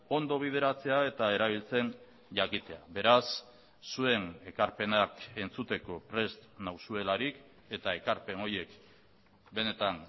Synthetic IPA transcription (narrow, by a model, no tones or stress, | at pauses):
o̞nd̪o̞β̞ið̞e̞ɾat͡se̞ae̞t̪ae̞ɾaβ̞ilt͡se̞n | ʝakit̪e̞aβe̞ɾasː | ue̞ne̞kaɾpe̞nake̞nt͡sut̪e̞ko̞pɾe̞st̪nawsue̞laɾik | e̞t̪ae̞kaɾpe̞no̞ɾje̞k | be̞ne̞t̪an